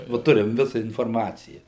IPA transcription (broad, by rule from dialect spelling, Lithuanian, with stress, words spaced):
ˈʋɐ ˈtʊrʲɪm ˈʋʲɪsɐ ɪnfoːrˈmɑːt͡sʲɪjɛ